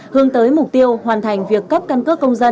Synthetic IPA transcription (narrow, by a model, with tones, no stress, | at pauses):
hɨ˨˦əŋt̪əː˨˦jmʊ˨˩k͡p̚t̪i˧əwhwaː˨˩nt̪ʰa˨˩jŋ̟vi˨˩əkːə˦˥p̚ka˧nkəː˦˥kə˧wŋ͡mzə˧n